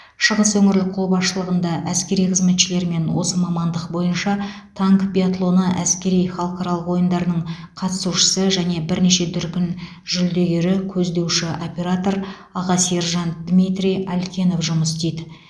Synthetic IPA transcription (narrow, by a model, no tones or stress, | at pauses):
ʃəʁəswɵŋɪɾlɪk̚qʰolˠbɑsʃəlˠəʁənd̪ɑʔæskʲe̞ɾijqʰəzme̞t̪ʃɪle̞ɾme̞nwo̞səmɑmɑnd̪əq̚bo̞jənʃɑt̪ʰaŋkbʲiat̪lˠo̞nəʔæskʲe̞ɾijχɑlˠqɑɾɑlˠəqwo̞jənd̪ɑɾənəɴ | qʰɑt̪ə̥suʃə̥səʒæne̞bɪɾne̞ʃe̞d̪ʏɾkʲɪn | ʒʏld̪e̞ɡʲeɾɪkʲʰɵzd̪e̞wʃɪʔo̞pʲe̞ɾat̪o̞ɾ | ɑʁɑseɾʒɑnd̪mʲijt̪rʲijalʲkʲe̞no̞fʒʊməst̪ejd̪ɪ